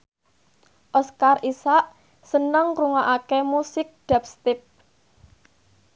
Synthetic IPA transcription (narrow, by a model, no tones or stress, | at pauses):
ʔɔskarisaʔ | sənəŋkɾuŋaʔakemusɪk̚ɖ̪̥ap̚st̪ɪp̚